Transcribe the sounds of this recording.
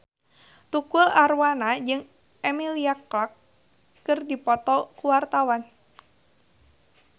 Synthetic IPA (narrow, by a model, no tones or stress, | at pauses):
t̪ukʊlʔarwanad͡ʒɨŋ | ʔɛmiliaklakː | ɨrdipɔt̪ɔkuwart̪awan